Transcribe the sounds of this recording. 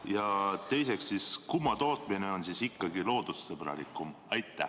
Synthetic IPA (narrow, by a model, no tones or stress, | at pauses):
jɑt̪e̞jseksːiskumːɑt̪o̞ːt̪mineo̞nsisikːˑɑɡilo̞ːd̪̥usːeb̥ɾɑ̰lḭkːˑum | ɑjt̪ːˑæ̰